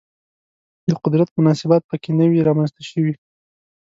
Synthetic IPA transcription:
d̪əqʊd̪ɾat̪mʊnɑsɪbɑt̪̚pəkenəwiɾɑmanst̪aʃəwi

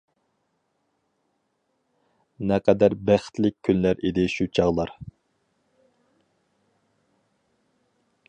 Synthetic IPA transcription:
nɛqɛd̪æɾbæχɪ̥t̪lɪk̚ʲkʲʰːynlæɾid̪ɪʃut͡ʃʰɑʁlˠɑɾ

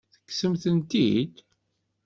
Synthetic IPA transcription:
θə̥kːsəmθənt̪ḭd̪

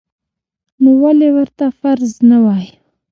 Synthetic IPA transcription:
nowalewəɾt̪afaɾznawɑj

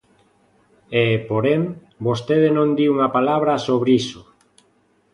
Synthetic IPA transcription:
epoɾeŋ | bost̪eðɪnõnd̪iuŋɐpalaβ̞ɾasoβɾisʊ

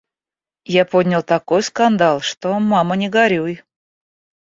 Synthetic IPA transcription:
japodʲnʲɪlˠt̪ɐkojskɐnd̪alˠʂt̪omamənʲɪɡɐɾʲuj

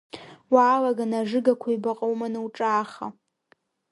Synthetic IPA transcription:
waːlaɡanaʐɨɡakʷʰajbaqʼawmanawʈ͡ʂʼaːχa̰

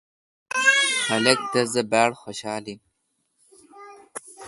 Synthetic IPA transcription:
hɐlɐk̚t̪ɐzɐbæːɽxoɕaːlim

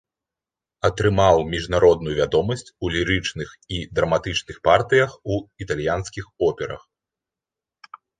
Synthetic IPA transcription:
ɐt̪ɾɨmawmʲiʐnaɾɔd̪nujuvʲad̪ɔmɐsʲt͡sʲulʲiɾɨt͡ʂnɨx | id̪ɾɐmat̪ɨt͡ʂnɨxpart̪ɨjɐxuit̪alʲjanskʲixɔpʲɛɾɐ̰x

